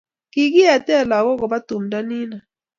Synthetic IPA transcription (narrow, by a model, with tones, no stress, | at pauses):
ki˦ki˦ja˨tɛ˦˨la˨kɔ˦kɔ˨ba˦tu˨m̩˨da˦ni˦na˨